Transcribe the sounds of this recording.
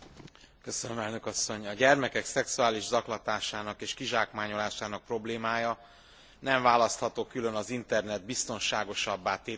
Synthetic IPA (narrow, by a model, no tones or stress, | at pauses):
kø̞sønømɛlnø̞kɒsːo̞ɲɒɟɛrmɛkɛksɛksuaːliʒzɒklɒt̪aːʃaːnɒkeːʃkiʒaːkmaːɲo̞laːʃaːnɒk̚pro̞bleːmaːjɒ | nɛɱvaːlɒst̪hɒt̪oːkylø̞nɒzint̪ɛrnɛd̪̚bist̪o̞nʃaːɡo̞ʃɒbːaːt̪eː